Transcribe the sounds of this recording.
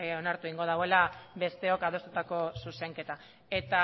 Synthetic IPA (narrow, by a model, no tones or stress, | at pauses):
o̞naɾt̪ueiŋɡoð̞awe̞labe̞st̪e̞o̞kaðo̞st̪ut̪ako̞suse̞ŋket̪a | e̞t̪a